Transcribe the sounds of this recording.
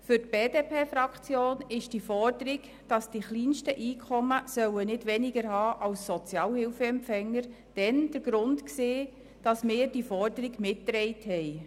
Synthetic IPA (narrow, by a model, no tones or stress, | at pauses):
fʏrtb̥eːdeːpʰeːfɾɑkχt͡sjoːnɪʃd̥ifɔrdəɾiɡ | d̥ɑsd̥iχliːnʃtəʔiːkʰχɔməsœwənɪdʋɛnɪɡəɾɦɑːʔɑwsːɔt͡sjɑːlhɪlfəɛmpfɛŋːəɾ | d̥ɛnd̥əɾɡ̥ɾʊntkseː | d̥ɑsmɪːɾd̥ifɔrdəɾiɡmɪtːɾɛɪthɛj